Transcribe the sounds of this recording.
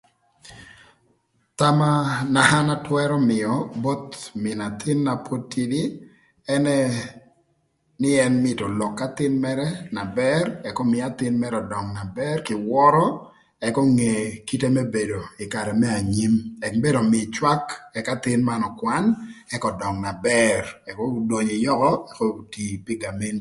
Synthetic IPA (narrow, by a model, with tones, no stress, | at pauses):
ta˦ma˦na˨ha˦na˦twɛ˦ɾɔ˦mɪ˨ɔ˨bo˦t̪mɪ˨na˨t̪ʰɪ˦nːa˨pʰo˦tːi˦di˦ | ɛ˦nɛ˦ | nɪ˦ɛ˦nmɪ˨tɔ˨lɔ˨kːa˦t̪ɪ˦nmɛ˦ɾɛna˨bɛ˦rɛ˨kɔ˦mɪ˦a˦t̪ɪ˦nmɛ˦ɾɔ˨dɔ˨ŋna˨bɛ˦rkɪ˨wɔ˦ɾɔ˦ | ɛ˨kɔ˦ŋe˨ki˦te˦mɛ˦be˨do˨ɪ˨ka˨ɾɛ˨mɛ˦a˨ɲi˦mɛ˨kbe˦do˨mɪ˨t͡ʃwa˦kɛ˦ka˦t̪ɪ˦nma˦nɔ˨kwa˦nɛ˦kɔ˨dɔ˨ŋna˨bɛ˦rɛ˨kɔ˦do˨ɲi˨jɔ˦kɔ˦ɛ˦kɔ˦ti˨pi˦ɡa˨me˦nt